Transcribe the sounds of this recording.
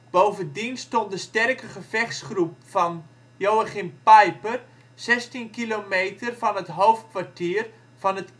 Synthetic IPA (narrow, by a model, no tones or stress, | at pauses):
b̥owvəndinstontdəstɛrkəχəvɛχsχrup̚fɔn | joːaχimpɛjpər | sɛstinkilomejtʰərfɔnətɦoːftkʋartiːər | fɔnət